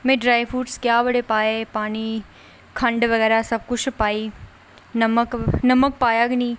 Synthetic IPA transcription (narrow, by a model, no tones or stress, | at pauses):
mẽːɖɾaːjfuːʈskjaːbɐɽepaːepaːni | kʰɐ̃ɳɖʋɐɣɛːɾasɐb̚kʊt͡ʃʰpaːi | nɐməknɐmək̚paːjaɡni